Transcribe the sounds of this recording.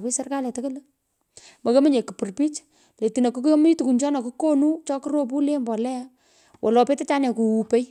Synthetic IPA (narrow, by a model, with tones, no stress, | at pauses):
pi˦sɛ˦rka˦lɛ˨ta˦ke˦le˦ | mo˨ko˦mi˦ɲe˨ki˨pu˨rpi˦t͡ʃ | le˨ti˨na˨ku˦km˦tu˨ku˨nt͡ʃɔ˦na˨ku˦ko˦nu˦t͡ʃɔ˦ki˦ɾo˦p̬u˦le˦mbɔ˨lɛ˦a˦ | wʔɔ˨lɔ˨pe˦te˦t͡ʃa˦nɛ˨ku˨u˨pe˦j